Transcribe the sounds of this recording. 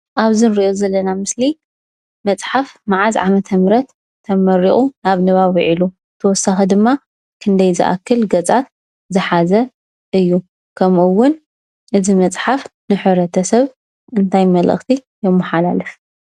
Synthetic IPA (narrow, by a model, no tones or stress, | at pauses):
ʔaβzɨnɨɾiʔozɐlːɐnamɨsli | mɐt͡sʼħafmaʕazʕamɐt̪ʰɐmɾɐt̪ʰː | ɐmɐɾiʔʼunaβnɨβaβiʕilu | t̪ʰɐwɔsaxɐd̪ɨmːa | kʰɨnd̪ɐjzɨ̰ʔa̰kːɨlɡɐt͡sʼat̪ | zɨħazɐ | ʔɨjːu | kʰɐmuwːʊn | ʔɨzimɐt͡sʼħafnɨħɨβɾɐt̪ʰɐsɐβ | ʔɨnt̪ʰajmɐlʔɨ̰xt̪ʰijɛmːɨħala̰lɨf